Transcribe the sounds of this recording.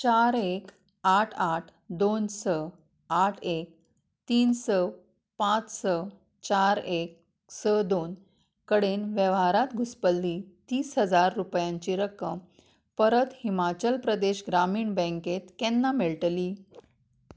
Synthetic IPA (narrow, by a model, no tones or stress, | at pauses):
t͡ɕaɾek | aʈʰaʈʰd̪onsə | aʈʰek̚ | t̪iːnsə | pãt͡ssə | t͡ɕaɾek̚ | səd̪on | kəɽenʋjəʋɦaɾat̪ɡʱuspəlːit̪iːsɦəd͡zaɾːupjãɲt͡ɕiːɾəkːəm | pəɾət̪himat͡ɕəlpɾəd̪eɕɡɾamiːɳbɛ̃ŋket̪kɛnːameɭʈliː